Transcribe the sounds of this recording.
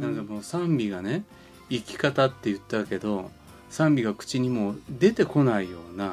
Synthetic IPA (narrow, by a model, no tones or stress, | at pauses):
nãŋkamo̞ːsãmbʲiɡane̞ | ikʲi̥kat̪at̪ːe̞jɯ̟t̪ːake̞d̪o̞ | sãmbʲiɡakɯ̥t͡ɕiɲ̟imo̞ːd̪e̞t̪e̞ko̞naijo̞ːna